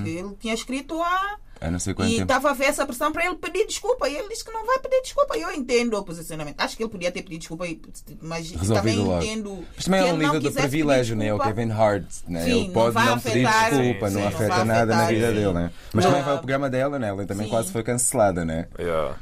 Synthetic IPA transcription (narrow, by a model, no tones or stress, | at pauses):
elˠt̪iɲɐʃkɾit̪ua | a̰nɐ̃sejkwɐ̃ɛ̃t̪avaveɾɛsɐpɾɨsɐ̃w̃pɾɐelˠpɨðiɾd̪iʃkulˠpɐielˠd̪iskɨnɐ̃w̃vajpɨðiɾd̪iʃkulˠpɐiewẽnt̪ẽnd̪uɐpuzisjunɐmẽnt̪aʃu̥kelˠpuðiɐt̪eɾpɨðiðuiʃkulˠpɐi | mɐʃʁɨzolaviðul̃ˠɔɣẽnd̪umɐʃt̪ɐmɐ̃j̃ɛũnĩvɾkðuzɛɾɨvilˠɛʒjunɐ̃ɛukkɛvĩnɦaɾt̪nɛ̰̃iḛ̃npɔ̃ðnɐ̃w̃pɨðiɾaiʃkulˠpɐnɐ̃w̃ɐfɛt̪ɐnaðɐnɐviðɐðelˠnɛ | mɐʃt̪ɐmɐ̃j̃vajupɾuɣɾɐmɐðɛlˠɐnɛ̃ɛlˠɐ̃t̪ɐmɐ̃j̃kwazfojkɐ̃sɨlˠaðɐnw̃ɛ̰jɛ̰